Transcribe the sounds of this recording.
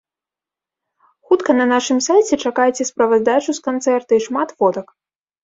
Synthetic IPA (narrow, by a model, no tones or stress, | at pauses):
xut̪kɐnɐnaʂɨmsajt͡sʲɛt͡ʂakajt͡sʲɛspɾɐvɐzd̪at͡ʂuskant̪sɛrt̪ɐiʂmat̪vɔd̪ɐk